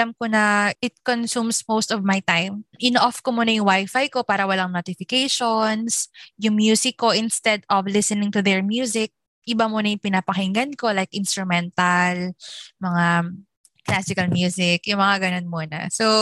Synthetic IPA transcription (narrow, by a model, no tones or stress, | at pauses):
lamkonɐʔɪt̪̚konsumsmost̪ɔvmajt̪ajmʔɪnʔɔfkomuːnɐjʊŋwajfajko̞paːɾɐwɐlaŋnot̪ɪfɪkejʃonsjʊŋmjuːsɪkːo̞ʔɪnst̪ɛd̪ɔvlɪsɛnɪ̃ŋt̪ʊðɛɹmjuːsɪk̚ | ʔɪbamuːnɐjʊŋpɪnapɐhɪŋɡɐnko̞lajkʔɪnst̪ɾʊmɛnt̪ɐlmɐŋa | klasɪkɐlmjuːsɪkjʊŋmɐŋaɡɐnonmuːnɐ̰so